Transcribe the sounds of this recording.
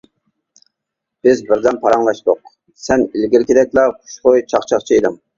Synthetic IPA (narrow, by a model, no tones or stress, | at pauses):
b̥ɪzbɪɾd̪ɛnpʰɑɾɑŋlˠɑʃt̪ʊq̚ | sɛnilɡʲiɾkʲid̪ɛkʲlɑχʰu̥ʃχojt͡ʃʰɑχt͡ʃʰɑχt͡ʃʰied̪ɨm